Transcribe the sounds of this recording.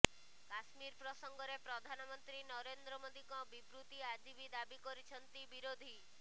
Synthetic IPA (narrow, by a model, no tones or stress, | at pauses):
kaʃmiɾpɾɔsɔŋɡɔɾepɾɔd̪ʱanɔmɔnt̪ɾinɔɾend̪ɾɔmod̪ikɔbipɾut̪iad͡ʒibid̪abikɔɾit͡ʃʰɔnt̪ibiɾod̪ʱi